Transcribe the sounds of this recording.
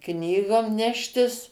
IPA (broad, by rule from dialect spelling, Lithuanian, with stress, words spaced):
ˈknʲiːɡoːm ˈnʲæːʃʲtʲɪs